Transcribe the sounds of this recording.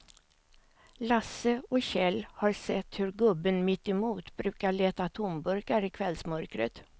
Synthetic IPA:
lasəɔɕɛlːhaɾsɛt̪ːhɵɾɡɵbːənmɪt̪ːɪmuːt̪bɾʉ̟ːkaɭeːt̪at̪ʰʊmbɵɾkaɾɪkʰvɛlsmœɾkɾə̰t̪

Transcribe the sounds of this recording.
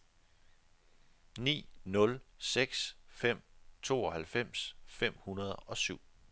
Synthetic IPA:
nḭːnɔ̽lseɡ̥sfem̰t͡sʰo̝̰ːɒ̽hælfem̰sfem̰hunɐð̞ˠɒ̽syʊ̰

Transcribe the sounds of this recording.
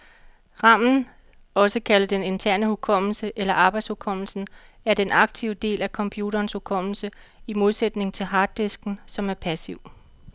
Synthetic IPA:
ʁɑ̈m̰n̩ | ɒ̽səkʰæləd̥ene̝nt͡sʰæɐ̰nəhukʰɒ̽m̰l̩səʔelɐʔɑ̈ːb̥ɑ̈ɪd̥shukʰɒ̽m̰l̩sn̩ | æɐd̥enʔɑ̈ɡ̥̚t͡sʰiʊ̰d̥e̝̰ːlækʰɒ̽mpʰjuːɾɐːnshukʰɒ̽m̰l̩sə | imo̝ð̞ˠsed̥ne̝ŋt͡sʰe̝lɦɑ̈ːd̥ːe̝sɡ̥n̩sɒ̽mæɐpʰæsiʊ

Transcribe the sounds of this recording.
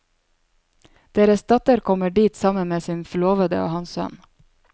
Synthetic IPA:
d̪̥eːɾəsd̪̥ɑt̪əɾkʰɔməɖiːt̪sɑmənmeːsiːnfɔloːʋəd̪ə̰o̰ːhɑnssœ̰n

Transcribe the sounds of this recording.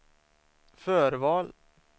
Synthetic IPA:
fœːɾvɑːl

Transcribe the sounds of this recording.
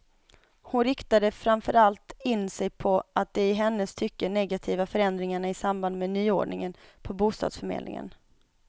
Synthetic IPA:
hʊnɾɪkt̪ad̪əfɾamfœɾalt̪ɪnːsɛjpʰɔʔat̪̚d̪ɛɪɦɛnːəst̪ʰʏkːəɳɛɡat̪ʰiːvafœɾɛnd̪ɾɪŋaɳaɪsamband̪meːnyːo̰ːɖɳɪŋənpʰɔbuːst̪ɑ̰d̪sfœɾmḛːd̪nɪ̰ŋə̰n

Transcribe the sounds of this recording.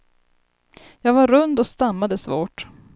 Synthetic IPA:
jɑːɡvaɾɵnd̪ɔst̪amːad̪əsvo̰ːʈ

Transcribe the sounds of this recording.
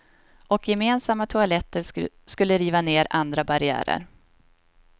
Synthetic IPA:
ʔɔkjɛmeːnsamːat̪ʰʊalɛt̪ːəɾ | skɵlːəɾiːvaneːɾand̪ɾabaɾɪæ̰ːɾə̰ɾ

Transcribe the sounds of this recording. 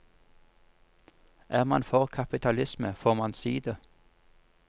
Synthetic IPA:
ʔæːʁmɑnfɔʁkʰɑpɪt̪ʰɑlɪsməfoːʁmɑnsiːd̪ə

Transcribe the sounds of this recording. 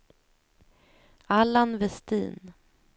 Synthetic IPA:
alːanvɛst̪ḭːn

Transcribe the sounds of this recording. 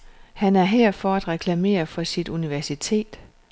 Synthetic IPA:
hænæɐɦeɐ̰fɒ̽æd̥ʁɛkʰlæme̝̰ːɐfɒ̽sid̥uniʋæɐsit͡sʰe̝̰ːd̥

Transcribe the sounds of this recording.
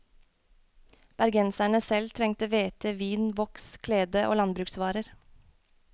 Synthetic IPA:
b̥æɾɡɛnsæɳəsɛlt̪ʰɾɛŋt̪əʋeːt̪ʰəʋiːnʋɔkskʰleːd̪əʔo̰ːlɑnbɾʉːksʋɑːɾəɾ

